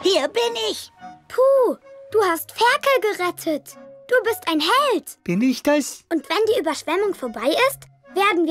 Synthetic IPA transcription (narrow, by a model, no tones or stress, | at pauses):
hiːɐbɪnɪçpʰuːd̥uːhastfɛɐkl̩ɡəʁɛtʰətd̥uːbɪstʔaɪnɦɛltb̥ɪnɪçd̥asʔʊntv̥ɛndiːʔyːbɐʃv̥ɛmʊŋfoːɐbaɪʔɪst | v̥eːɐdn̩viː